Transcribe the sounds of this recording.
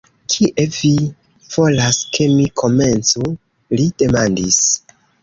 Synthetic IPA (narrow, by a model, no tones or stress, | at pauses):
kʰiʔe̞vi | v̥o̞laske̞mikʰo̞me̞nt͡su | lid̥e̞mandis